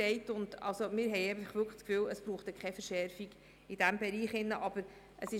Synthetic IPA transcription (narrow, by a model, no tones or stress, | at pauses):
ɛɪtʊndɑ̰lsomɪːɾɦɛɪɛbətəχʋʏkəskfyːləsb̥ɾuːχtɛkχɛfəɾʃɛɾfiɡ | id̥æmbɛɾiːχɪnːəʔɑb̥əɾ | ʔəsɪ